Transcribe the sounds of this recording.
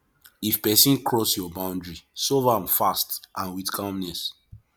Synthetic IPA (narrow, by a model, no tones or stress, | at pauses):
ifpɛsĩnkʰɹɔsjɔbãʊ̃ndɹisovãmfastʔãnwitkʰãmnɛs